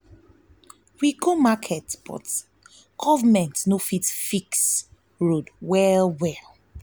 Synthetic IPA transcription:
wiɡʰomakʰɛtb̥ɔ̰t | ɡ̥ɔvamɛ̃ntnofitfiks | ɹodwɛlwɛl

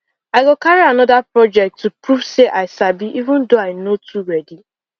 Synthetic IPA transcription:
aɪɡokaɾianɔdapɾɔd͡ʒɛk̚tːupɾuvseʔaɪsabiʔivʊ̃ndoaɪnotʰuɾɛdi

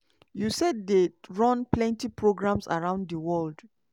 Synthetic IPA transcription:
jusɛddeɹɔ̃nplɛ̃ntipɹoɡɹãmsa̰ɹãʊ̃nddəwɔld

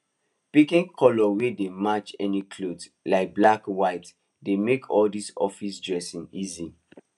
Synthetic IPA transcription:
pikĩnkʰɔlɔwedemat͡ʃɛnikʰlods | laɪk̚blakwaɪt | demekʰɔldisɔ̰fisdɹɛsĩnizi

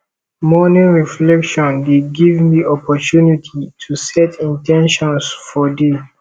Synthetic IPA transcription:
mɔnĩnɹiflɛkʃɔ̃ndeɡivmiʔɔpʰɔtunitʰitʰusɛtĩntɛ̃nʃɔ̃nsfɔde

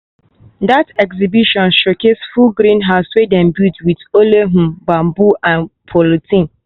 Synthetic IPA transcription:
datɛksibiʃɔ̃nʃokesfuɡɾĩnɦaswedɛ̃nbutwitoleɦũbãmbuʔãnpʰolotĩn

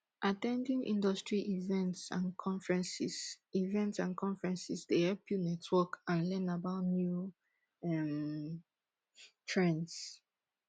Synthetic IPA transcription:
ʔatɛ̃ndĩŋʔḭ̃ndɔstɹiʔivɛ̃ntsã̰nkʰɔ̃ɱfɹɛ̃nsisivɛ̃ntsãnkʰɔ̃ɱfɹɛ̃nsisdehɛpʰjunɛtʰwɔkãnlɛ̃nabaʊtnju | ɛm | tʰɹɛ̃ns

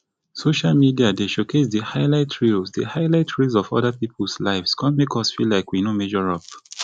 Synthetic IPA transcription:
soʃalmidiadeʃokʰetdəhaɪlaɪtʰɹilsdəhaɪlaɪtʰɹizɔvɔ̰dapipʰɔlslaɪvskʰɔ̃nmekʰɔsfilaɪkwinõmɛʒɔɹɔp

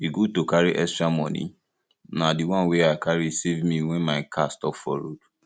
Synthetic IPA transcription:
iɡutokaɾiʔɛstɹamɔ̃nḭ̃ | nadiwãnweaɪkaɾisevmĩwɛ̃nmaɪkʰastɔpfɔ̰ɾo̰d

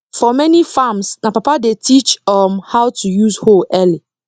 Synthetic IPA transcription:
fɔmɛ̃nĩfãmsnãpapadetʰit͡ʃɔmhawtʰujuzhoʔɛli

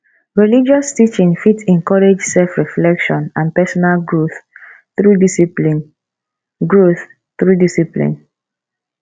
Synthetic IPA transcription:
ɹilid͡ʒɔstit͡ʃĩnfitɛ̃nkɔɹed͡ʒsɛlfɹiflɛkʃɔ̃nãnpɛsɔnalɡɹoθ | θɹudisiplin | ɡɹoθ | θɹudisiplḭ̃n

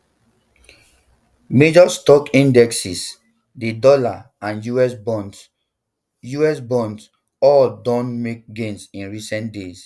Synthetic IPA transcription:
med͡ʒɔstɔkĩndɛksis | dedɔla | ãnjuɛsb | juɛsbɔ̃nds | ɔldɔ̃nmek̚ɡẽnsĩnɹisɛ̃ntdes

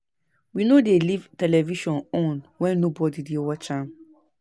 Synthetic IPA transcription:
winodelivtɛlɛviʃɔ̃nɔ̃nwɛ̃nːobɔdidiowat͡ʃãm

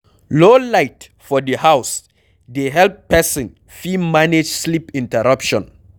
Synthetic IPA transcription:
lolaɪt | fɔdəhaws | deɦɛlpːɛsĩn | fimaned͡ʒslipĩntɛɹapʃɔ̃n

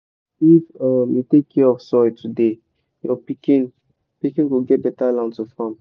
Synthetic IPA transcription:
ifamitekʰːɛɔfsɔitʰude | jɔpikĩn | pikĩnwilɡɛt̚bɛtalãntufãm

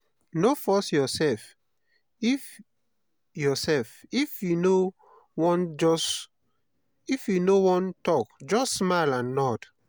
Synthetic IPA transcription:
nofɔsjɔsɛlf | if | jɔsɛlfifjuno | wɔ̃nd͡ʒɔs | ifjunowɔ̃ntɔkd͡ʒɔssmalãnːɔt

